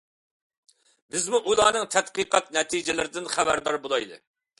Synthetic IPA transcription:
bɪzmuʔulˠɑːnɨŋt̪ʰɛt̪qɨqɑt̪nɛt̪ʰid͡ʒɪlɪɾɪd̪ɪnχæbæɾd̪ɑɾbolˠɑjd̪ɨ̰

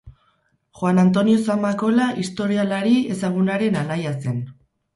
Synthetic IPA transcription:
xwanant̪̬o̞nio̞samako̞laʔist̪o̞ɾialaɾie̞saɣ̞unaɾe̞nanajase̞n

